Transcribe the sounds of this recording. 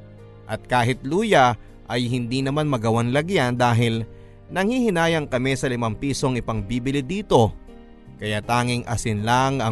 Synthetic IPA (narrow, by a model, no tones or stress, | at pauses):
ʔɐt̪̚kaːɦɪt̪̚luːjɐ | ʔɐjɦɪnd̪iːnɐmanmɐɡɐwaŋlɐɡjand̪aːɦɪl | nɐŋhihɪnaːjɐŋkɐmɛsɐlɪmampiːso̞ŋɪpɐŋbiːbɪlɪd̪iːt̪o̞ | kɐjaːt̪aːŋɪŋʔɐsɪnlaŋɐ